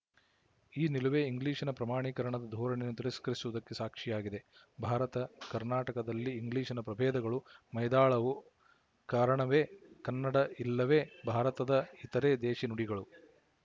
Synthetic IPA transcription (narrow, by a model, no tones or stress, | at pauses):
iːniluʋeːiŋɡliːʂɐnɐpɾɐmaːɳiːkɐɾɐɳɐd̪ɐd̪ʱɔːɾɐɳenut̪iɾiskɐɾisuʋɐd̪ɐkːesaːkʂijaːɡid̪e̞ | bʱaːɾɐt̪ɐkɐɾnaːʈɐkɐd̪ɐlːiːŋɡliːʂɐnɐpɾɐbʱɛːd̪ɐɡɐɭumɐjd̪aːɭɐʋu | kaːɾɐɳɐʋe̞ːkɐnːɐɽɐilːɐʋe̞ːbʱaːɾɐt̪ɐd̪ɐit̪ɐɾeːd̪ɛːʃinuɽiɡɐɭu